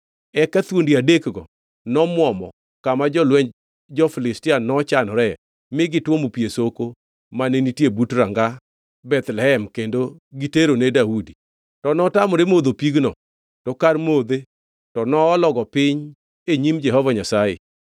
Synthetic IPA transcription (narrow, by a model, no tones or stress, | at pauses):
ɛkat̪wondiadekɡɔ | nɔmwɔmɔ̰ | kamad͡ʒɔlwɛɲ | d͡ʒɔfɪlɪstɪanɔt͡ʃanɔɾɛ | mɪɡɪtwomupiesoko | manenitjebutɾaŋɡa | bɛt̪lɛɦɛmkendoɡiteɾonedaudi | tɔnɔtamɔɾemod̪opiɡnɔ | tɔkarmod̪e | tɔnɔːlɔɡɔpɪɲ | eɲimd͡ʒɛɦɔvaɲasajḛ